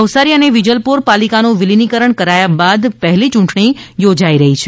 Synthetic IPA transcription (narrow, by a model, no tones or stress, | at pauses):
əʋsaɾiəneʋid͡ʒəlpuɾpalikanoʋilinikəɾəɳkəɾajabad̪pəɦlit͡ʃʊ̃ɳʈɳ̃ijod͡ʒaiɾəɦit͡ʃʰe